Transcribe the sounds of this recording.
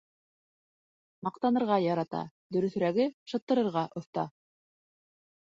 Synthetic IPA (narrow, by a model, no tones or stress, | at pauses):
mɑq̚t̪ɑnɤ̆ɾʁɑjɑɾɑt̪ɑ̰d̪ɵ̆ɾɵ̆θɾæɡɘʃɤ̆t̪ːɤ̆ɾɤ̆ɾʁɑʔŏθt̪ɑ̰